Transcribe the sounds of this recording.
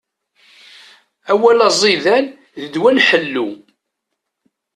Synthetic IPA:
æwælɑzˤiðæn | ðəd̪wænħəlːu

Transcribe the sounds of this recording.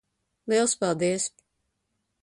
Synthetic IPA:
lˠiɛlˠspalˠd̪iəs

